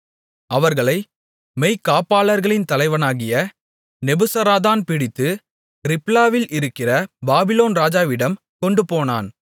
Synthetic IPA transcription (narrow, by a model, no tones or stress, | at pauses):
ʔɐʋɐɾɣɐɭɐɪ | mɛɪkːaːpaːlɐɾɣɐɭɪnt̪ɐlɐɪʋɐnaːɣɪjɐ | nɛbɯsɐɾaːðaːnpɪɽɪt̪ːɯ | ɾɪplaːʋɪlʔɪɾɯkːɪrɐbaːbɪloːnɾaːd͡ʒaːʋɪɽɐm | kɔɳɖɯpoːna̰ːn